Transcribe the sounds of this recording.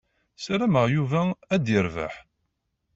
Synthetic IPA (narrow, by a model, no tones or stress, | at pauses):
sæɾæməʁjuvææd̪jəɾva̰ħ